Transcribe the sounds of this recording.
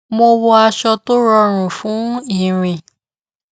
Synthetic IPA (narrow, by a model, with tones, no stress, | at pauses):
mo˧wɔ˧a˧ʃɔ˧to˦ɾɔ˧ɾ̃ũ˨fũ˨˦i˦˨ɾ̃ĩ˨